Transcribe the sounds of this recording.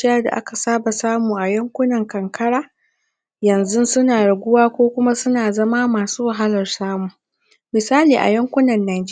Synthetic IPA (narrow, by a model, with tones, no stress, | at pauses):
ɪ˦jɐ˦rda̰˨ʔa̰˦ka˨saː˦ba˨saː˦muː˨ʔa˨jɐ˦ŋkʷʊ˦nɐ˨ŋkɐ˨ŋkʰɐ˦ɽaː˦ | jɐ˨nzʊ˦sʊ˦naː˨ɽɐ˨ɡʷʊ˦waː˦kʷoː˦kʷʊ˦ma˦sʊ˦naː˨zɐ˦ma˦maː˨suː˦wa˨ɦa˦lɐ˨rsaː˦muː˨ŋ | mɪ˨saː˦liː˨ʔa̰˨jɐ˦ŋkʷʊ˦nɐ˨nːaː˨d͡ʒː